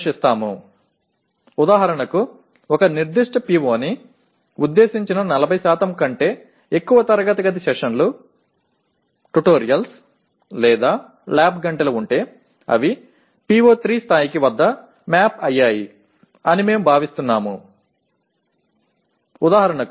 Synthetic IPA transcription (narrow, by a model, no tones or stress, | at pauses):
ʂist̪aːmṵ | ud̪aːɦɐɾɐɳɐku | ɔkɐniɾd̪iʂʈɐpiːʋoːni | ud̪ːe̞ːsiɲt͡ʃinɐnɐlɐbʱɐjsaːt̪ɐmkɐɳʈe̞ː | ekːuʋɐt̪ɐɾɐɡɐt̪ɐɡɐt̪iʃɛkʂɐnlu | ʈuʈoːɾijɐls | lɛːd̪aː | laːbɡɐɳʈɐlɐuɳʈe̞ː | ɐ̰ʋi | piːʋo̞ːt̪ɾiːst̪ʰaːjikiʋɐd̪ːɐ | maːpɐjːaːji | ɐnime̞ːmubʱaːʋist̪unːaːmṵ | ud̪aːɦɐɾɐɳɐk